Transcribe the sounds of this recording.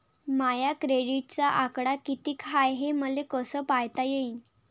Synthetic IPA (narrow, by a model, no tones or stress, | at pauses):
majakɾeɽiʈ̚t͡saʔakɽakit̪iːkʰajɦeməlekəsəːpajt̪ajeiːn